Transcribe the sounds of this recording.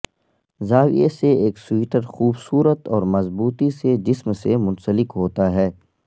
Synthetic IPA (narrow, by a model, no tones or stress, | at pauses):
zaːwḭeseeːksiːʈəɾxuːbsuːɾət̪ɔːɾmɐzbuːt̪ised͡ʒɪsmsemʊ̃nsəlɪkɦoːt̪aɦɛː